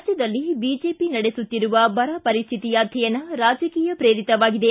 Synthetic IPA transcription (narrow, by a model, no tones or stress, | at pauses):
d͡ʒjɐd̪ɐlːibiːd͡ʒe̞ːpinɐɽesut̪ːiɾuʋɐbɐɾɐpɐɾist̪ʰit̪ijaːt̪ʰɐjɐnɐɾaːd͡ʒɐkiːjɐpɾeːɾit̪ɐʋaːɡid̪e